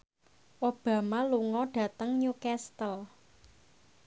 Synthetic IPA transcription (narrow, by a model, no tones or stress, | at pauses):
ʔob̥ä̤maluŋɔɖ̥ä̤t̪əŋɲukɛst̪əl